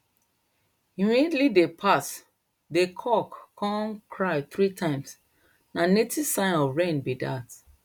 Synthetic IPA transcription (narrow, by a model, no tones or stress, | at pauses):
jumĩdlidepʰas | dekʰɔkːʰɔ̃nkʰɹaɪθɹitʰãɪ̃ms | nanetʰisãɪ̃nɔvɹẽnbida̰t